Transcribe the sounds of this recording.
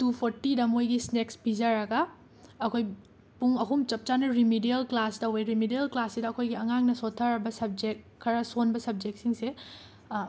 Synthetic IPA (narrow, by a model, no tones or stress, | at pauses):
tupʰoɾtidɐmojɡisneksbizɐɾɐɡɐː | kʰoj | puŋɐɦumt͡ʃɐp̚t͡ʃanɐɾimidiɐlklastɐweɾimidiɐlklasːidɐɐkʰojɡiɐŋaŋnɐsotʰːaɾɐbɐsɐb̚d͡ʒek̚ʰːɐɾɐsonbɐsɐb̚d͡ʒek̚siŋse